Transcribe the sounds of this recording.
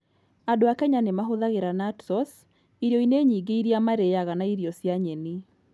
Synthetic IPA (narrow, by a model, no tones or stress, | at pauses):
adoakɛɲanemaɦoðaɣeɾanatsɔs | iɾjɔineɲiːɡeiɾiamaɾeaɣanaiɾiɔsjaɲɛni